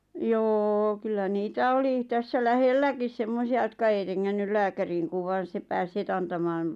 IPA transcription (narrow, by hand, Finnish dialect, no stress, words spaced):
joː kylːæ niːtæ oli tæsːæ læhelːækis semmosiɑ jotkɑ ei reŋːænːyl læːkæriːŋ kuʋ ʋɑːn̞ se pæːs het ɑntɑmɑːn